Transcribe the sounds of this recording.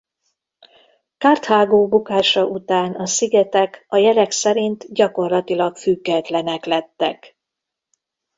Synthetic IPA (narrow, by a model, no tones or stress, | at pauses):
kaːrt̪haːɡoːbukaːʃɒʔut̪aːnɒsiɡɛt̪ɛkɒjɛlɛksɛɾint̪ɟɒko̞rlɒt̪ilɒkfyɡːɛt̪lɛnɛklɛt̪ːɛ̰k